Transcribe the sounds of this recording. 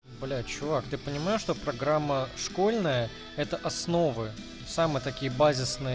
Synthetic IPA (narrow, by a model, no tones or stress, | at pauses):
blʲat͡ɕʊvakt̪ɨpənʲɪmajʊʂt̪opɾɐɡɾamːəʂko̞lʲnəjə | ɛt̪əʔɐsno̞vɨ | samɨjət̪ɐkʲijəbazʲɪsnɨj